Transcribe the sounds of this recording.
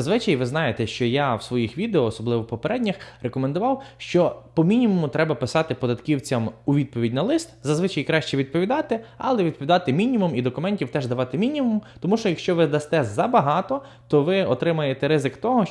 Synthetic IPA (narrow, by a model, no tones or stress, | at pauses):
ɐzʋɪt͡ʃɐjʋɪznɑjet̪ɛʃt͡ʃɔjawsʋɔjixʋʲid̪eɔːsɔblˠɪʋɔpɔpeɾʔɛdʲnʲɐxrʔekɔmend̪ʊʋɑwʃt͡ʃɔpɔmʲinʲimʊmʊt̪ɾɛbɐpɪsɑt̪ɪpɔd̪ɐt̪kʲiwt͡sʲɐmuʋʲid̪̚pɔʋʲidʲnɐlˠɪst̪zɐzʋɪt͡ʃɐjkɾɑʃt͡ʃɛʋʲid̪̚pɔʋʲid̪ɑt̪ɪɐ̰lˠɛʋʲid̪̚pɔʋʲid̪ɑt̪ɪmʲinʲimumid̪ɔkʊmɛnʲtʲiwt̪ɛʒd̪ɐʋɑt̪ɪmʲinʲimumt̪ɔmuʃt͡ʃɔjɐkʃt͡ʃɔʋɪd̪ɐst̪ɛzɐbɐɦɑt̪ɔ | t̪ɔʋɪɔt̪ɾɪmɐjet̪ɛɾɪzɪkt̪ɔɦɔ